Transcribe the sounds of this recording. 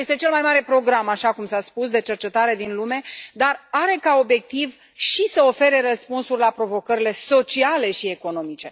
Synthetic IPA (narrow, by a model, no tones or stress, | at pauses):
jest̪et͡ʃe̞lmajmaɾe̞pɾo̞ɡɾamaʃakumsaspusd̪e̞t͡ʃe̞rt͡ʃe̞t̪aɾe̞d̪inlume̞d̪araɾe̞kao̞bje̞k̚t̪iv | ʃisəo̞fe̞ɾe̞rəspunsurʲlapɾo̞vo̞kəɾile̞so̞t͡ʃiale̞ʃie̞ko̞no̞mit͡ʃe̞